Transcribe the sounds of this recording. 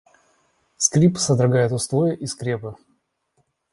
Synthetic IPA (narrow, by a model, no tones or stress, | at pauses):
skɾʲipsɐd̪ɾɐɡajɪt̪ʊst̪ˠojɪʔiskɾʲepɨ